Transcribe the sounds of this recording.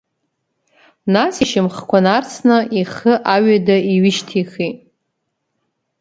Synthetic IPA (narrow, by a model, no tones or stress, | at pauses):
nasiʃɪmχkʷanart͡sʰnaiχəʔaɥadaiɥɪʃtʰiχitʼ